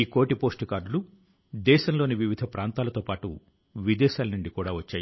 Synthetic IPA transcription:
iːkoːʈipo̞ːsʈukaːɾɖulu | d̪ɛːʃɐmlo̞ːniʋiʋid̪ʱɐpɾaːnt̪aːlɐt̪oːpaːʈṵ | ʋid̪ɛːʃaːlɐnuɳɖikuːɽaːʋɐt͡ʃːaːji

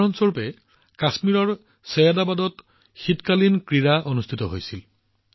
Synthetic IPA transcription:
ɔnsoɹpɛ | kasmiɹɔɹ | sejadabadɔt | xitkalinkɹiɹaʔonustʰitɔɦojsil

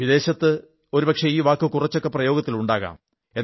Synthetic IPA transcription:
ʋid̪e̞ːɕɐt̪ːɨ | o̞ɾupɐkʂeiːʋaːkːɨkurɐt͡ɕːo̞kːe̞prɐjo̞ːɡɐt̪ːiluɳɖaːɣa̰ːm | en

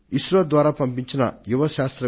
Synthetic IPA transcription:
iʃɾɐd̪waːɾaːpɐmpiɲt͡ʃinɐ̰juʋɐʃaːst̪ɾɐ

